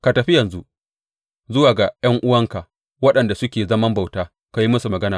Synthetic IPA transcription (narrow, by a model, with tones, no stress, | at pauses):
ka˨tɐ˨ɸɪ˦jɐ˨nzṵ˦ | zʊ˦waː˨ɡa˨jɐ˦ŋʔʊ˦wɐ˦ŋka˨ | wɐ˦ɗɐ˨nda˨sʊ˦kʲeː˨zɐ˦mɐ˦mba˨wtaː˦ | ka˨ji˦mɐ˦su˨mɐ˨ɡɐ˦naː˨